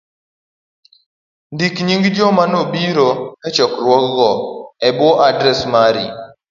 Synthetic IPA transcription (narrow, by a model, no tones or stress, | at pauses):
ndikɲiŋɡd͡ʒɔmanobiɾoɛt͡ʃɔkɾwɔkɡɔɛbwɔʔadɾɛsmaɾḭ